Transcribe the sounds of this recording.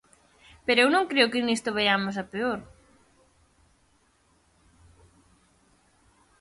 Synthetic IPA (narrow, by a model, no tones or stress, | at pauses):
peɾoewnõŋkɾeʊkɪnist̪ʊβeʎamʊs̬apeoɾ